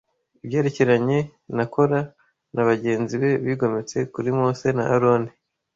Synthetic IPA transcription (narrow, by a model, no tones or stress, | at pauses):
ibjeɾiciɾaɲe̞ | nako̞ɾa | naβaɟe̞ːnziβe̞βiːɡo̞met͡se̞kuɾimoːse̞na̰ʔaɾoni